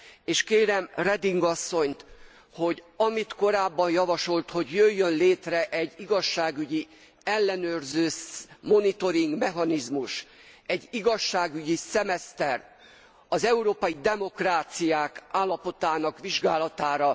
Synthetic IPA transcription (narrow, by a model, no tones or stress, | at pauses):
eːʃkeːɾɛmrɛd̪iŋɡɒsːo̞ɲt̪ | ho̞ɟɒmit̪ko̞ɾaːbːɒnjɒvɒʃo̞lt̪ho̞ɟjøjːønleːt̪rɛʔɛɟːiɡɒʃːaːɡyɟi | ɛlːɛnøːrzøːsmo̞nit̪o̞ɾiŋɡmɛɦɒnizmuʃ | ɛɟːiɡɒʃːaːɡyɟisɛmɛst̪ɛr | ɒzɛuɾoːpɒjid̪ɛmo̞kraːt̪sijaːkaːlːɒpo̞t̪aːnɒkʋiʒɡaːlɒt̪aːɾɒ